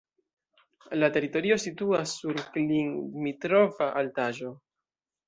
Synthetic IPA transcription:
late̞ɾito̞ɾio̞situasːuɾkliŋmitɾo̞vaʔaltaʒo̞

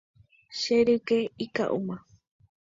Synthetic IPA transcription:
ʃeɾɨkeika̰ʔṵmã

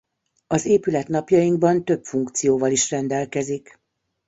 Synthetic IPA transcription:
ɒzeːpylɛt̪nɒpjɒjiŋɡbɒnt̪ø̞pfuŋkt̪sijoːvɒliʃrɛnd̪ɛlkɛzik

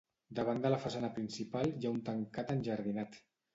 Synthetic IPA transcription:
d̪əβ̞and̪ələfasanəpɾinsipalˠjaunt̪əŋkat̪ənʲʒəɾð̞inat̪

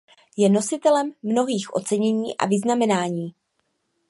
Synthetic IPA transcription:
jɛno̞sɪt̪ɛlɛmːno̞ɦiːxʔo̞̰t͡sɛɲɛɲiːʔa̰vɪznamɛnaːɲiː

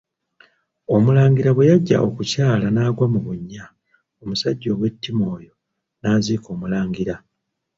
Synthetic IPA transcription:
o̞mulaːŋɡiɾaβwe̞jaɟːa̰ʔo̞kucaːlanaːɡwamuβuɲːa | omusaɟːo̞ːɡwe̞tːimo̞ːjo̞ | naːziko̞ːmulaːŋɡiɾa

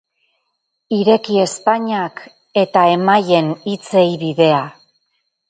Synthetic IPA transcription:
iɾe̞kie̞spaɲak | e̞t̪ae̞maje̞nit͡se̞jβiðe̞a

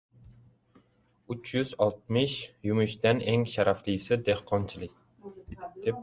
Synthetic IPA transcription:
yt͡ʃʰjyzɑlˠt̪̚mɨʃjymyʃt̪ɛnɛŋʃæɾɑflˠɨjsɨd̪ehqʰɑnt͡ʃʰilˠɨk̚ʲ | d̪̥ep̚

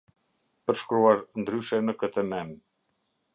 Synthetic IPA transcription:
pəɾʃkɾuaɾnd̪ɾyʃɛnəkət̪əmɛm

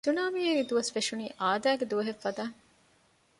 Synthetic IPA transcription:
t̪unaːmieɾid̪uʋɐsfeʃuniːʔaːd̪æːɡed̪uʋɐɦefːɐd̪aː

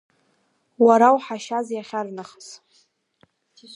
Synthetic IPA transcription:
waɾawħaʃazjaχʲarnaχs

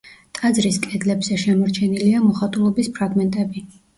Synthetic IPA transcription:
t̪ʼad̪zɾiskʼɛd̪lɛbz̥ɛʃɛmɔɾt͡ʃʰɛniliamɔχat̪ʼulˠɔbispʰɾaɡmɛnt̪ʼɛbi

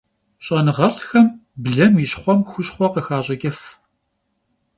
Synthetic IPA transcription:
ɕʼɐnɨʁɐɬxɐmbɮɐmjɪɕχʷɔmxʷʊɕχʷɔqəxaːɕʼɐkʲʼɐf

